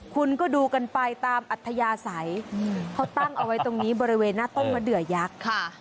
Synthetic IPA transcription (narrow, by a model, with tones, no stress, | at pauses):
kʰu˧nkɔː˥˩duː˧ka˧npa˧jt̪aː˧mʔa˨˩t̪ʰːa˧jaː˧sa˩˦jkʰa˦˥wt̪a˥˩ŋʔa˧wa˦˥jt̪o˧ŋniː˦˥bɔː˧ɾi˦˥weː˧nːaː˥˩t̪o˥˩ŋmaː˧dɯ˨˩əja˦˥k̚kʰ